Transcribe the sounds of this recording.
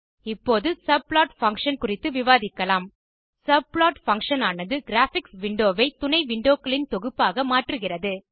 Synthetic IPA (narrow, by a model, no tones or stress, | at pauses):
ɪpːoːðɯsɐb̚ɭaːʈfɐŋkʂɐnkʊrɪt̪ːɯʋɪʋaːðɪkːɐlaːm | sɐb̚ɭaːʈfɐŋkʂɐnaːnɐðɯɡɪɾaːfɪksʋɪɳɖoːʋɐɪt̪ʊnɐɪʋɪɳɖoːkːɐɭɪnt̪ɔɣɯpːaːɣɐmaːʈrɯɣɪrɐðɯ